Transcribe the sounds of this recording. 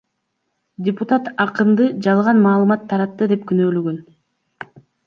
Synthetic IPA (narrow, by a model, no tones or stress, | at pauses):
dʲɪpʊt̪at̪ɑqɯnd̪ɯd͡ʒɑlˠʁɑnmɑːlˠɯmɑt̪ʰːɑɾɑt̪ːɯd̪e̞pkynø̞ːløɡøn